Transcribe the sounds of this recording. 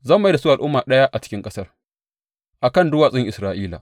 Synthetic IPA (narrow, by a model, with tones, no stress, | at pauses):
zaː˦˨mː˨a˦da˨su˦˨a˨ʔʊ˦mːaː˨ɗɐ˦ja˦ʔa˨t͡ʃɪ̥˦kʲɪ˦ŋkʼɐ˦sɐ˦r | ʔa˨kɐ˦˨ndʊ˦waː˨sʼɪ˦ŋʔɪ˨sɾaː˨ʔiː˦la̰˨